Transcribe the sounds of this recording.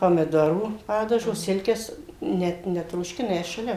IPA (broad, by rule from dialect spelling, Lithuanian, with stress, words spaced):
pɐmʲɪˈdoːruː ˈpɑːdɐʒoː ˈsʲɪlʲkʲɛs ˈnʲɛt nʲɛtroːʃʲˈkʲɪnɐ ˈjɛs ʃɐˈlʲɛ